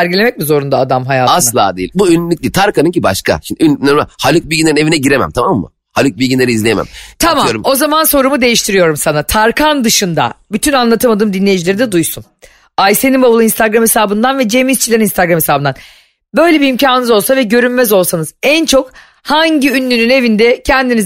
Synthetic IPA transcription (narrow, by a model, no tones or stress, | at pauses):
æɾɟilʲe̞mɛc̚mizo̞ɾund̪aːd̪amɦajaːaslˠa̰ːd̪eḭlʲbuynlʲyc̚lʲit̪ʰaɾkanɯŋciba̰ʃka̰ʃimd̪ʲynyneɾahalʲɯk̚bilʲɟinlʲeɾinevinɛɟiɾemæ̰mt̪ʰamamːɯ̰ | halʲuk̚bilʲɡʲinlʲeɾizlʲejemæ̰mt̪ʰamamoɾuo̞zamanso̞ɾumud̪e̞jiʃt̪ʰiɾijo̞ɾumsanat̪ʰaɾkʰand̪ɯʃɯnd̪a̰byt̪ʰynanlˠat̪ʰɯmad̪ɯːmd̪inlʲejid͡ʒilʲeɾid̪ɛd̪ujsun | ajsenimbabulˠɯinst̪aɡɾamhe̞saːbɯnd̪anvɛd͡ʒemist͡ʃʰilʲeininst̪ʰaɡɾame̞saːbɯnd̪an | bø̞jlʲebiːmcʰaːnɯnɯzo̞lˠsavɛɟø̞ɾynmɛzo̞lˠsanɯzænt͡ʃʰo̞k | haɲɟiynːynyne̞vind̪ɛcʰɛnd̪iniz